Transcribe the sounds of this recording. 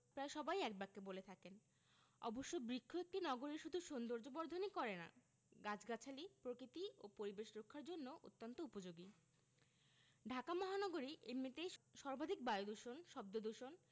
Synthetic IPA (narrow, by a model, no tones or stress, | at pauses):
pɾaeʃɔbajɛk̚bak̚ːebolet̪ʰaken | ɔ̰boʃːobɾikʰːoek̚ʈinɔɡoɾiɾʃud̪ʱuʃond̪oɾd͡ʑobɔɾd̪ʱonikɔɾena̰ | ɡat͡ɕʰɡat͡ɕʰalipɾokɾit̪io̰poɾibeʃɾokʰːaɾd͡ʑonːoʔo̰t̪ːont̪oupod͡ʑoɡi | ɖʱakamɔɦanɔɡoɾiʔemit̪ejʃɔɾbʱad̪ʱik̚bajod̪uʃonʃɔb̚d̪od̪uʃon